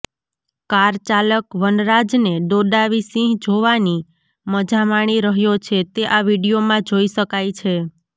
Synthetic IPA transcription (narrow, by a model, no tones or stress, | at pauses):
kaɾt͡ʃaləkʋənɾad͡ʒneɖoɗaʋisĩɦd͡ʒoʋani | məd͡ʒamaɽ̃iɾəɦjot͡ʃʰet̪eʔaʋiɽijomãd͡ʒoiʃəkajt͡ʃʰe